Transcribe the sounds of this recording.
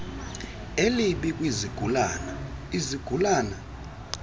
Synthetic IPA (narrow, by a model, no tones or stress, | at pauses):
eliɓikʼwiziɡ̥ʱul | iziɡ̥ʱulaːna